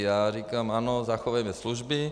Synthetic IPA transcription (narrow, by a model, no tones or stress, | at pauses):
jaːɾiːkamaːnɔzaxɔʋajmɛsluʒbi